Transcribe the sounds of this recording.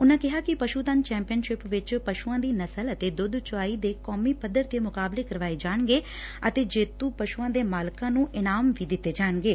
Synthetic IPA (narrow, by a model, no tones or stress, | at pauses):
ʊnãːkɪɦaːkɪpəʃuːt̪ənt͡ʃɛ̃ːmpijənʃɪpʋɪt͡ʃpəʃuːãːd̪iːnəsələt̪eːd̪ʊd̪t͡ʃʊaːiːd̪eːkɔːmiːpəd̪ːəɾt̪ːeːmʊkaːbleːkəɾʋaːeːd͡ʒaːɳɡeː | ət̪eːd͡ʒeːt̪ũːpəʃuːãːd̪eːmaːlkãːnũːʔɪnaːmʋiːd̪ɪt̪ːeːd͡ʒaːɳɡeː